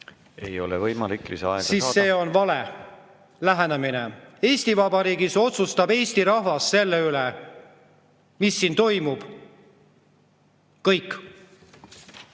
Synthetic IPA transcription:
e̞̰jo̞̰levɤjmɑlikːˑliseɑɛɡ̥siːsːe̞ːo̞nvɑle | læɦæneminee̞ːst̪ivɑbɑɾiːɡiso̞t̪sust̪ɑbe̞ːst̪iɾɑhvɑsːe̞lːeyle | misːiːnt̪o̞jmub̥ | kɤjkː

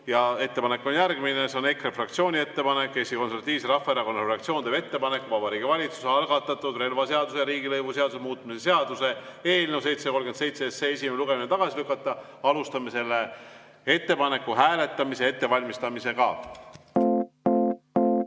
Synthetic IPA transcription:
jɑe̞t̪ːe̞pɑnekːo̞njærɡ̥mineseo̞ne̞krefrɑkt̪sio̞ːnʲie̞t̪ːe̞pɑne̞kːˑesikoseɾvɑt̪ːˑiːvseɾɑfːɑeɾɑko̞nːɑɾeɑkt̪sio̞ːnd̪ebe̞t̪ːe̞pɑne̞kːuvɑbɑɾiːɡ̥ivɑlʲit̪su̥seɑlɡ̥ɑt̪ːˑɑt̪ːˑud̪̥re̞lvɑse̞ɑd̪useɑɾiːɡilɤjvuse̞ɑd̪̥use̞muːt̪ːˑmise̞s̬e̞ɑd̪̥use̞e̞ːlnewse̞jt̪seko̞lɡkent̪se̞jt̪seesees̬imeluɡ̥e̞minet̪ɑɡ̥ɑsilykːˑɑt̪ːˑɑ | ɑlust̪ɑmese̞lːe | e̞t̪ːe̞pɑne̞kːuɦæːle̞t̪ːˑɑmise̞e̞t̪ːe̞vɑlʲmist̪ɑmise̞kɑ̰

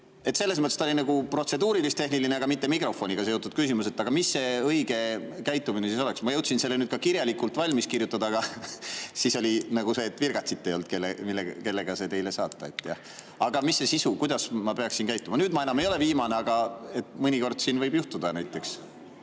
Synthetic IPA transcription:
e̞t̪se̞lːes̬mɤt̪ːˑest̪o̞linɑɡupro̞t̪se̞d̪uːɾilist̪ehnilineɑɡ̥ɑmit̪ːe̞mikro̞fˑo̞nʲiɡ̥ɑseot̪ːˑud̪̥̚kysimuse̞t̪ːˑɑɡ̥ɑmisːe̞ɤjɡ̥e̞kæjt̪ːˑuminesis̬o̞leksmɑjɤwt̪sinse̞lːenyːd̪̥̚kɑkirjɑlikːˑult̪ˑvɑlʲmiskirjut̪ːˑɑd̪ɑːɡ̥ɑ | siːso̞lʲinɑɡuse̞ːt̪ːˑvirɡ̥ɑt̪sit̪ːejo̞lt̪̚ke̞lːemilːeke̞lːe̞ɡ̥ɑse̞t̪e̞jle̞sɑːt̪ːˑɑe̞t̪ːˑjɑ̰ | ɑɡ̥ɑmisːe̞sisukujd̪̥ɑsmɑpe̞ɑksinkæjt̪ːˑumɑnyːd̪̚mɑe̞nɑmejo̞le̞viːmɑneɑɡ̥ɑe̞t̪mɤnʲiko̞rd̪̥siːnvɤjbjuht̪ud̪̥ɑnæjt̪ːˑe̞ks

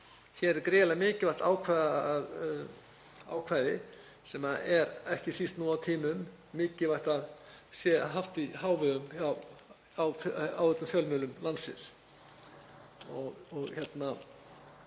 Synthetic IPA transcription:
çɛːɾɛɾkɾɪːlaɣmɪːcɪvajht̪aːwkʰvajðað | a̰ːwkʰvaːjðɪ | sɛmaɛɾɛhcɪsist̪nuːawt̪ʰiːmʏmː | ɪːcɪvajht̪aðsjɛɦaft̪ihaːwvɪðʏmaw | awfawɛt̪ːamfjœlmʏːlʏmlansɪ̰ns | ɔɣɔɣçɛt̪na

